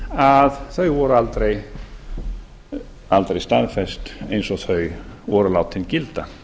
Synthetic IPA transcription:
aðθœɥvɔɾʏalt̪ɾej | alt̪ɾejst̪aðfɛst̪ejnsɔɣθœɥvɔɾʏlaːwt̪ʰːɪncɪlt̪a

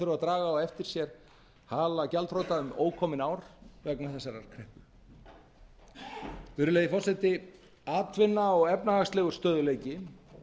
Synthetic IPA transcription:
ʏɾʏvat̪ɾaːɣaawɛft̪ɪɾ̥sjɛɾ̥ | haːlacɛlt̪frowt̪aʏmoːwkʰɔmɪnaːwɾvɛknaθɛsːaɾaɾ̥kʰɾɛhpʏ | fʏːɾʏleːjɪfɔr̥sɛt̪ɪ | aːt̪ʰvɪnːaɔɣɛpnahaxst̪lɛːɣʏɾ̥st̪œːðʏleːjcɪ

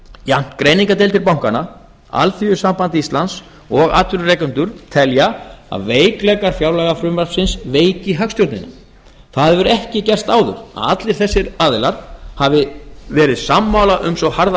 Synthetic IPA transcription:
jan̥t̪kɾeːjniŋkat̪̬ejlt̪ɪɾpawŋ̥kana | a̰lθiʏsampant̪ɪist̪lans | ɔɣat̪ʏɾrɛkʏnt̪ʏɾ̥t̪ʰɛljaa̰ðveːjklɛkaɾ̥fjawlɛɣafɾʏmvaɾ̥psɪnsveːjcɪɦakst̪jɔwt̪nɪ̰nːa | θaðvʏɾɛhcɪcɛr̥st̪aːwðʏ̰ɾ̥a̰at̪lɪɾ̥θɛsːɪɾaːðɪlaɾ̥havɪvɛːɾɪðsamːawlaʔʏmsɔhaɾð

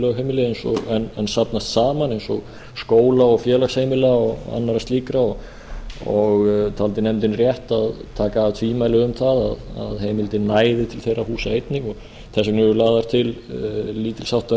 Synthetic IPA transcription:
lœɣɦejmɪlɪejnsɔ̰ɣɛnɛnsapnast̪saːmanejnsɔɣ | skoːwlaɔɣfjɛːlakshejmɪlaɔɣ̰a̰nːaɾast̪liːkɾaɔɣ | ɔɣt̪ʰalt̪ɪnɛmt̪ɪnrjɛht̪aðt̪ʰaːkaːvt̪ʰviːmajlɪʏmθaða̰ða̰ðheːjmɪlt̪ɪnaːjðɪt̪ʰɪlθejrahuːsaejt̪nɪɣɔɣ | θɛsːɪknʏɾʏɾlaːðaɾ̥t̪ʰɪlliːt̪ɪlsawht̪a

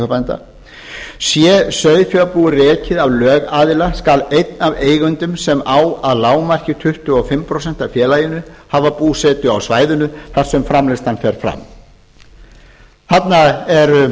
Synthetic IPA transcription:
œpant̪a̰ | sjɛsœɥðfjœapuːɣʏrɛːcɪðavlœːɣaːðɪlaskalejt̪naveːjɣʏnt̪ʏmsɛmaːwaðlaːwmar̥cɪt̪ʰʏht̪ʏɔɣfɪmːpʰɾosɛn̥t̪afjɛːlajɪnʏhavapuːsɛt̪ʏawsvaːjðʏnʏθaɾ̥sɛmfɾamlɪst̪anfɛɾ̥fɾa̰m | θat̪naɛɾ

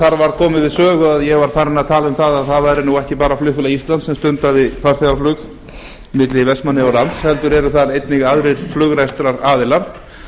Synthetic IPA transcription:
θaɾvaɾkʰɔːmɪðvɪðsœːɣʏaðjɛɣvaɾ̥faɾɪnːaðt̪ʰaːlʏmθaðaðθaðvajɾɪnuɛhcɪpaːɾaflʏhfʏlaist̪lant̪sɛmst̪ʏnt̪aðɪθaɾ̥θɛaflʏx | mɪt̪lɪvɛst̪manːɪɔlant̪shɛlt̪ʏɾɛɾʏθaɾejt̪nɪɣaðɾɪɾ̥flʏɣɾajst̪ɾaɾaːðɪlaɾ

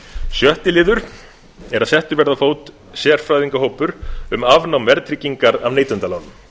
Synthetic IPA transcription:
sjœht̪ɪlɪːðʏɾ̥ | ɛɾaðsɛht̪ʏɾvɛɾðafoːwt̪ | sjɛɾ̥fɾaːjðiŋkaɦoːwpʏɾʏmavnawmvɛɾt̪ʰɾɪcːiŋkaɾavneːjt̪ɛnt̪alawðʏm

